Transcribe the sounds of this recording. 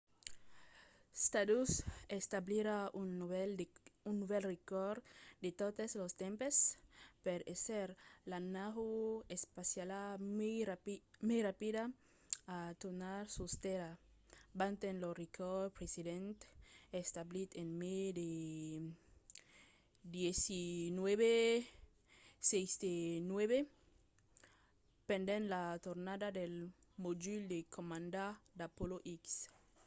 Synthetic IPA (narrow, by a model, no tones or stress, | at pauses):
st̪ad̪usest̪abliɾaunlunːuβelrekoɾd̪et̪ot̪eslost̪ẽmpespeɾeseɾlanaɣuespasjala | mejrapid̪a | at̪unaɾsust̪eɾa | bant̪ẽnlorikʰopɾesiðẽnt̪est̪ablit̪enmed̪e | d̪jesinweβe | sejsd̪enweβe | pẽnd̪enlat̪oɾnad̪ad̪elmod͡ʒild̪ekʰomãnd̪ad̪apoloʔiks